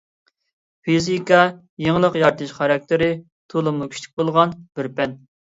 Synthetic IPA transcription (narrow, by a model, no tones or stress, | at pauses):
pizikɑ | jeŋlˠəqjɑɾt̪ʰɨʃχɑɾɑk̚ʲt̪ʰɪɾɪ | t̪ʰolˠɨmlˠukʲʰy̥ʃlʲɪk̚ʲbolˠʁɑnbɪɾpɛn